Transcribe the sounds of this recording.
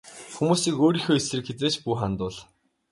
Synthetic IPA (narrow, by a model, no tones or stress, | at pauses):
xumuːsiːkoːɾiːxoːesrɘ̆kxet͡seːt͡ɕpuːχant̪ʊːɮ